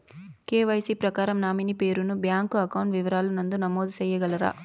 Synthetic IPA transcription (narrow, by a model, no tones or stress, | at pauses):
keːʋɐjsipɾɐkaːɾɐmnaːminipe̞ːɾunubjaːŋkuɐkɐwɳʈʋiʋɐɾaːlunɐnd̪unɐmoːd̪ut͡ʃɛjːɐɡɐlɐɾa̰ː